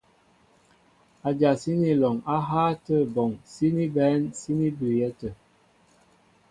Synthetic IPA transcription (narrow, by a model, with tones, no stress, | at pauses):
a˨d͡ʒa˨si˦ni˦˨lɔ˨ŋa˦ɦaː˦tə˦˨bɔ˨ŋsi˦ni˦bɛ˨˦nsi˦ni˦bʉ˨jɛ˦tə˨